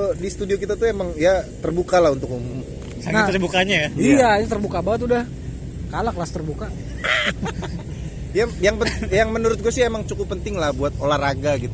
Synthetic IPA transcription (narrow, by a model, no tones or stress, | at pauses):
odist̪udiokit̪at̪uemaŋjat̪ərbukalahunt̪ʊkumʊm | saŋnaərbukaɲajaijaɲat̪ərbukabaŋət̪udah | kalaklast̪ərbuka | jajaŋpəjaŋmənuɾʊt̪̚ɡuasɪemaŋt͡ʃukʊpːənt̪ɪŋlahbuat̪̚olahraɡaɡit̪u